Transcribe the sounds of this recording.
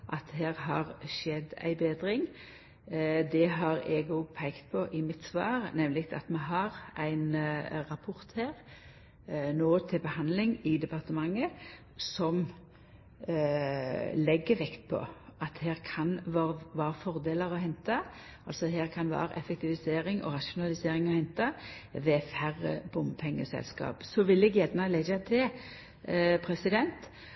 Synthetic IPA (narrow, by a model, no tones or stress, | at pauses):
ʔɑt̪̚hæːʁɦɑʁʃɛd̪æ̰ɪbeːd̪ɾɪŋ | d̪ɛɦɑɾɛɡʊːpʰæɪkt̪̚pʰɔʔɪmɪt̪sʋɑːʁnɛmlɪkt̪ʰɑ̰t̪mɛɦɑʁæɪnɾɑpʰʊɾt̪heːʁ | noːt̪ʰɪlbəhɑnlɪŋɪd̪ɛpɑʁt̪əmɑŋːə | sɔm | lɛɡːəʋɛkt̪̚pʰɔ̰ʔɑt̪heːʁkʰɑnʋɑʋɑːɾəfɔʁd̪eːləʁɔhɛnt̪ɑ | ʔɑlsɔd̪ɦeːʁkʰɑnʋɑ̰ːɾə̰ʔɛfɛk̚t̪ɪʋɪseːɾɪŋʔɔ̰ʁɑʃʊnɑlɪseːɾɪŋɔhɛnt̪ɑʋɛːfæʁə̰b̥ʊmpʰɛŋːəsɛ̰lskɑ̰ːpsɔʋɪlːɛɡjæd̪nɑled͡ʒɑt̪ʰɪl | pʰɾɛsɪd̪ɛnt̪